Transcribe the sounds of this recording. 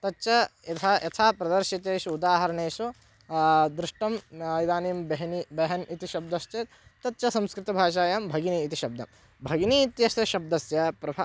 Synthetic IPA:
t̪ɐtːʃɐɐt̪ʰaːjʔɐt̪ʰaːpɾɐd̪ɐɾʃit̪eːʃuud̪aːɦɐɾɐɳeːʃu | d̪ɾɪʂʈɐmid̪aːniːmbɐɦɐnibɐɦɐnit̪iʃɐb̚d̪ɐʃt͡ʃ̪ɐ | t̪ɐt̪ːʃɐsɐ̃mskɾɪt̪ɐbʱaːʃ̬aːjɐmbʱɐɡiniːt̪iʃɐb̚d̪ɐ̰m | bʱɐɡnit̪jɐʃɐʃɐb̚d̪ɐsjɐpɾɐbʱɐ

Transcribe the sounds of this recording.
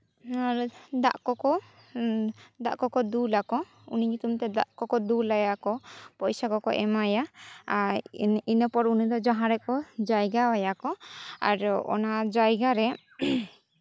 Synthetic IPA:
ad̪a̰ʔkɔkɔ | d̪a̰ʔkɔkɔd̪ulakɔ | ṵniɲut̪umt̪ɛd̪a̰ʔkɔkɔd̪ulajakɔpɔjsakɔkɔ̰ʔɛ̰maja | inəpɔɾunid̪ɔd͡ʒaɦãɾɛkɔd͡ʒajɡaajakɔa̰ɾɔ̰nad͡ʒajɡaɾɛ

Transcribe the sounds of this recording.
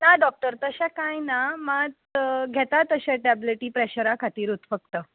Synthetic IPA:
naɖɔk̚ʈəɾt̪əɕakajnamad͡z | ɡʱet̪at̪əɕaʈɛbliʈiːpɾeɕəɾakʰat̪iːɾut̪fəɡ̚t̪əː

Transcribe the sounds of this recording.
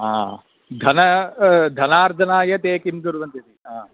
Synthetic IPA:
aː | d̪ʱɐnɐd̪ʱɐnaːɾd͡ʒ̪ɐnaːjɐt̪eːkimd̪uɾʋɐnt̪it̪iaː

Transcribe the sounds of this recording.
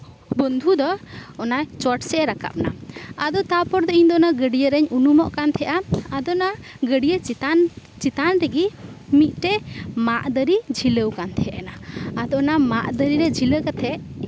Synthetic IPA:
bɔnd̪ʱud̪ɔːnat͡ʃɔʈsɛʔɾaka̰p̚na̰ad̪ɔt̪apɔɾd̪ɔiɲd̪ɔnaɡəɖijəɾɛɲunumɔʔkant̪ʰɛʔaːd̪ɔna | ɡəɖijəa | t͡ʃit̪anɾɛɡimit̪̚ˀʈɛmaʔd̪əɾid͡ʒʱiləwkant̪ʰɛʔanaad̪ɔnamaʔd̪əɾiɾɛd͡ʒʱiləkat̪ʰɛʔ

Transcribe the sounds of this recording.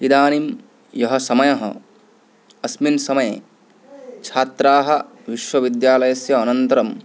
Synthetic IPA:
id̪aːnim | jɐɦɐsɐmɐjɐɦɐ̰ | ɐsminsɐmɐje | t͡ʃʰaːt̪ɾaːɦɐ | ʋiʃʋɐʋid̪jaːlɐjɐsjɐːnɐnt̪ɐɾɐm

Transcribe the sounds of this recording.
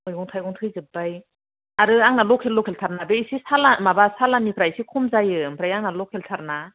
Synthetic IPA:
ɔjɔŋtʰajɡɔŋtʰɯjzɯbaj | aɾɯaŋnalɔkʰelːɔkʰeltʰaɾnabeisisalamabasalanipʰɾajsikʰumzajɯmpʰɾajaŋnalɔkʰeltʰaɾna

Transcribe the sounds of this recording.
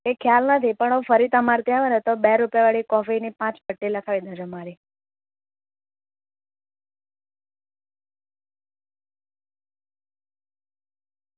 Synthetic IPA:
ekʰjalnət̪ʰipəɳ̃ə̃fəɾit̪əmaɾt̪iaʋənet̪obeɾupjaʋaɭikɔfinipãt͡ʃbʱəʈːiləkʰaʋid̪ʱəd͡ʒəmaɾi

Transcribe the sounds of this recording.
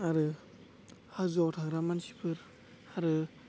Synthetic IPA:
aɾɯ | hazɔwtʰaɡɾamansi̥pʰɯɾ | aɾɯ

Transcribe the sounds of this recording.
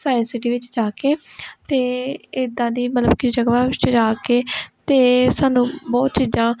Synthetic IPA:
saːɪnsɪʈiːʋɪt͡ʃd͡ʒaːkeːt̪eːɪd̪ãːd̪iːmət̪ləbkid͡ʒəɡʋãːʋɪt͡ʃd͡ʒaːkeːt̪eːsaːnũːbɔːt̪̚t͡ʃiːzãː

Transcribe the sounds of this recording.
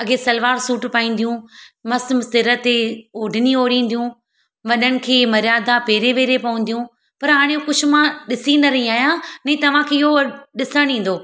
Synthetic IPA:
ɐɡesɐlʋaːɾsuːʈpaːĩːn̆d̪ijũmɐsmsɪɾət̪eoːɖʱɪnioːɽĩːn̆d̪ijũ | ʋɐɗənɪ̆kʰeːmɐɾjaːd̪apeːɾeʋeːɾepɐʋə̃n̆d̪ijũː | pɐɾɦaːɽ̃ejũkʊd͡ʒʰʱʊ̆mãɗɪsinɐɾɐɦĩaːɦijãnɐ̃ĩt̪ɐʋ̤ãkʰeːɪɦoɗɪsəɽ̃ĩːn̆d̪oː

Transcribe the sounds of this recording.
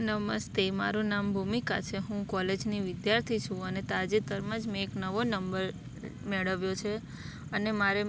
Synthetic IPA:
nəməst̪ema̰ɾũnambʱumika̰t͡ʃʰeɦũkɔled͡ʒniʋɪd̪jaɾt̪ʰit͡ʃʰũənet̪ad͡ʒet̪əɾmãd͡ʒmẽːknəʋonəmbəɾ | meɭəʋjot͡ʃʰe | ənemaɾe

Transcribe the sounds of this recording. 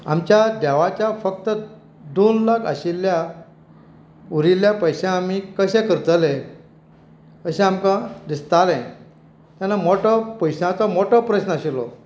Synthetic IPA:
a̰mt͡ɕjad̪ɛʋat͡ɕjafək̚t̪ə | d̪onlakʰa̰ɕilːja | uɾiljapəjɕãamikəɕɛ̃kəɾt̪əle | əɕẽamkãd̪ist̪alɛ̃ | t̪janːamoʈɔpəjɕãt͡sɔmoʈɔpɾət͡ɕnaɕilɔ̰

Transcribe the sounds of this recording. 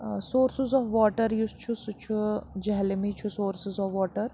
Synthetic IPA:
soːɾsɪzɔːʋʋɔːʈəɾjust͡ʃʰusut͡ʃʰud͡ʒɛɦlmit͡ʃʰusoːɾsɪzɔːʋʋɔːʈəɾ

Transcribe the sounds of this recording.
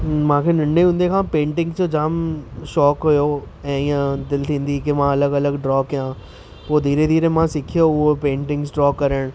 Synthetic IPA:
mãːkʰenɐ̃ɳɖeɦũnd̪ekʰãːpẽːɳʈɪ̃ŋɡd͡ʑod͡ʑaːmʃɔːkɦʊjo | ɛ̃ːɪãd̪ɪlt̪ʰĩːn̆d̪ikemãːɐləɡɐləɡɖɾɔːkjãː | poːd̪ʱiːɾed̪ʱiːɾemãsɪkʰijoʊɦopẽːɳʈɪ̃ŋɡsɖɾɔːkːɐɾəɽ̃

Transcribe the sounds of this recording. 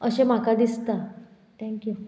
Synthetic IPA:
əɕem̤akad̪ist̪a | t̪ʰɛ̃ŋkju

